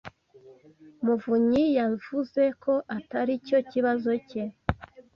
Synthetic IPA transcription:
muvuɲijaɱvuze̞kʰo̞ʔataɾico̞ciβazo̞ce

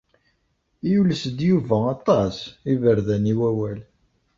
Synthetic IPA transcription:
juləsd̪juvæɑt̪ˤːɑsivəɾðæniwæwæl

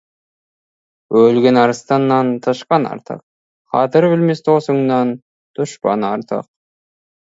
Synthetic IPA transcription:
wɵlɡʲenɑɾəst̪ɑnːɑnt̪ʰəʃqɑnɑ̰ɾt̪ʰə̰q̚ | qʰɑt̪əɾbɪlmest̪osəŋnɑn | t̪ʰʊʃpɑ̰nɑɾt̪ʰə̰q̚

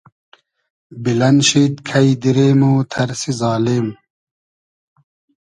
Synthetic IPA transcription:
bilɐnɕiːt̪kʰɐjd̪iɾeːmoːt̪ʰɐɾsizaːlem

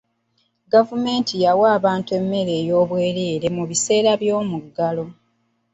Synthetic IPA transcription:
ɡavume̞ːntijawaːβaːntue̞mːe̞ɾe̞ːjo̞ːβwe̞ːɾeːɾe̞muβise̞ːɾaβjo̞ːmuɡalo̞

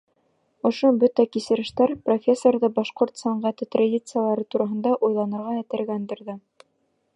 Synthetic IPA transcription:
ŏʃobɵt̪ækisɘ̆ɾɘ̆ʃt̪æɾprofʲesːorðɤbɑʃqoɾt̪sɑɴʁæt̪ɘt̪radʲit̪sɨjalˠɑɾɤt̪uɾɑɦɤ̆nd̪ɑʔujlˠɑnɤ̆ɾʁɑæ̆t̪ɘ̆ɾɡænd̪ɘ̆ɾðɘ

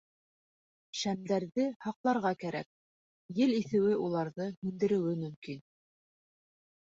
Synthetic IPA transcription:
ʃæmd̪æɾðɘhɑqlˠɑɾʁɑkæɾæ̰k̚ | jɘliθɘ̆wɘʔulˠɑɾðɤhɵ̆nd̪ɘ̆ɾɘ̆wɘmɵ̆mkin

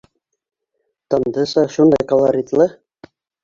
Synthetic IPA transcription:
t̪ɤ̆nd̪ɤsɑʃund̪ɑjkolˠaɾʲit̪lˠɤ

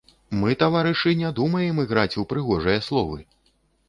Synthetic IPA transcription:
mɨt̪avaɾɨʂɨnʲɛd̪umɐjɛmɨɣɾat͡sʲuwpɾɨɣɔʐɐjɐslˠɔvɨ

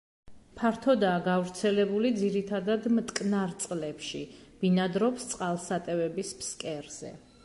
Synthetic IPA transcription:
pʰaɾt̪ʰɔd̪aːɡavɾt̪sʰɛlɛbulid̪ziɾit̪ʰad̪ad̪mt̪ʼkʼnaɾt̪sʼlɛpʃib̥inad̪ɾɔpst̪sʼqʼalˠsat̪ʼɛvɛbispskʼɛɾz̥ɛ̰

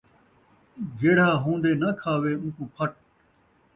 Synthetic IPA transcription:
ɡeːɽ̤aːɦũːnd̪eːnəkʰaːʋeːũːkũːpʰəʈ̚

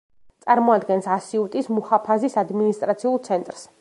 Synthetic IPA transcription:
t̪sʼaɾmɔad̪ɡɛnsasiut̪ʼismuhapʰazisad̪minist̪ʼɾat̪sʰiulˠt̪sʰɛnt̪ʼɾs

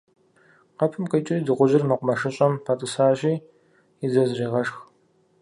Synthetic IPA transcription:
qɐpʰɨmqət͡ʃʼidɨʁʷʊʑɪrmɨqʷʊmɐʂɨɕʼɐmpʰatʼɨsaːʑiː | ɪzɐzriːʁɐʂx

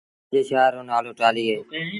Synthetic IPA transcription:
d͡ʒeːʃaːɾõːnaːloːʈaːliːeː

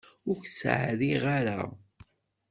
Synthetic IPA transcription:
ʊɾksʕðiʁaɾa̰

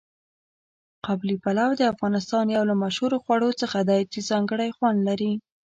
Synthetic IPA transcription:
qablipalawd̪əafɣɑnɪst̪ɑnjawlamaʃhuɾoxwaɽot͡səxad̪ɑjt͡sizɑŋɡəɽajxwand̪laɾi

